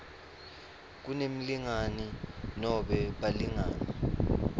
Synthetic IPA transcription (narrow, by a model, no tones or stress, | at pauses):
k̬unem̩liŋaninɔɓɛɓaliŋa̰ːni